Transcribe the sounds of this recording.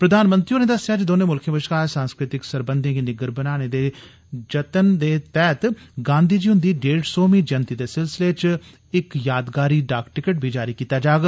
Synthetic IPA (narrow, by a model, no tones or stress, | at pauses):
pɾəd̪aːnmənt̪ɾioːneːd̪əsjaːd͡ʒd̪oːnẽːmʊlkʰə̃bəʃkaːsãːnskɾɪt̪ɪksəɾbənd̪ʱĩkinɪɡəɾbənaːñeːd̪eː | d͡ʒət̪ənd̪eːt̪ɛːt̪ɡãːnd̪ʱiːd͡ʒiːɦʊ̃nd̪iːɖeːɖsoːmĩːd͡ʒənt̪iːd̪eːsɪlsɪleːt͡ʃ | ɪkjaːd̪ɡaːɾiːɖaːkʈɪkəʈ̚bʱiːd͡ʒaːɾiːkiːt̪aːd͡ʒaːɡ